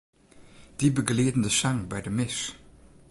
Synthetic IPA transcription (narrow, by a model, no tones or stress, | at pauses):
d̥ibəɡleːdn̩dəʃaŋbɛjdəmɪʃ